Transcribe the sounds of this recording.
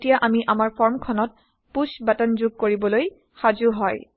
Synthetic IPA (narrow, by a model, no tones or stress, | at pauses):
tijaʔamiʔamaɹpʰɔɹmkʰɔnɔt̚ | pusbatanzuɡ̚koɹibɔloj | xazuɦɔj